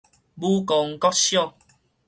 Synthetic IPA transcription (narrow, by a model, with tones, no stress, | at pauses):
bu˦kɔ˧ŋkɔ˦˥k̚ɕjɔ˥˨ŋ